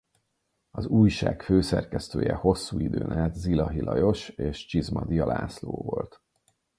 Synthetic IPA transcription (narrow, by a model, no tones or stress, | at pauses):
ɒzuːjʃaːkføːsɛrkɛst̪øːjɛho̞sːuːid̪øːnʔɛt̪zilɒɦilʔɒjo̞ʃeːʃt͡ʃizmɒd̪ijɒlaːsloːvo̞lt̪